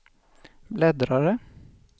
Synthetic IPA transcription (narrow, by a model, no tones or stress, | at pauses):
blɛd̪ɾɑɾə